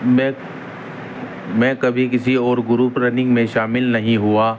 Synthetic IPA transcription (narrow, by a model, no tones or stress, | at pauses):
mɛ̃ | mɛ̃kɐbʱikɪsiɔːɾɡʊɾuːpɾɐnɪ̃ŋɡmẽʃaːmɪlnɐɦĩɦuaː